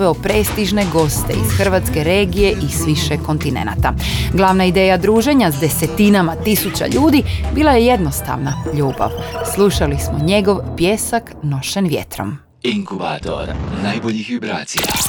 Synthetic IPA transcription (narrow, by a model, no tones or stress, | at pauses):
ʋeopɾe̞ːst̪iʒne̞ɡo̞st̪e̞̰ḭz̥xr̩ʋat̪ske̞ɾe̞ːɡije̞ʔisʋiʃeko̞nt̪inḛna̰t̪aɡlˠaːʋnaid̪e̞ːjad̪ɾuːʒe̞ɲazd̪e̞set̪inamat̪isut͡ɕa̰ʎuːd̪ibiːlˠaje̞je̞d̪no̞st̪a̰ʋnaʎuːba̰ʋslˠuʃalismo̞ɲe̞ɡo̞ʋpjeːsakno̞ʃenʋjḛt̪ɾo̞̰m | iŋkuba̰t̪o̰ɾnajboʎixʋibɾa̰ːt̪sija̰